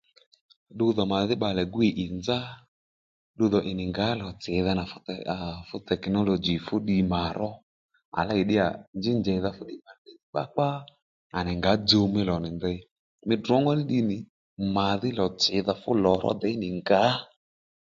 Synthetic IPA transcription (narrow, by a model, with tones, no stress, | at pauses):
ɗʊ˧ðɔ˨ma˨ðɪ˦ɓa˧lɛ˨ɡʊ˦e˨ʔɪ˨nd͡za˦ | ɗʊ˧ðɔ˨ʔɪ˨nɪ˨ŋɡa˨˦lɔ˨t͡sɪ˨˦ða˧na˨fʊ˦˨fʊ˦tɛ˨knɔ˦lɔ˨d͡ʒi˨fʊ˦ɗi˧ma˨ɾɔ˦ | a̰˨la˦i˨ɗɪ˦a̰˨nd͡ʒɪ˦nd͡ʒɛ˨˦ða˧fʊ˦ɗi˦ma˨i˦ði˨ɓa̰˦k͡pa˦ | a˨nɛ˨ŋɡa˨˦d͡ʒo˧mɪ˦lɔ˨nɪ˨ndɛ˧˦ | mɪ˦dɔ˦ŋɡɔ˦ðɪ˦ɗi˧nɪ˨ | ma˨ðɪ˦lɔ˨t͡sɪ˨˦ða˧fʊ̰˦lɔ˨ɾɔ̰˦d̪ɛ˨ɪ˦nɪ˨ŋɡa˨˦